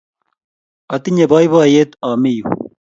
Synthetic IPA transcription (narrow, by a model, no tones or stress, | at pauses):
ɐt̪iɲebaːjbaːjet̪aːmiju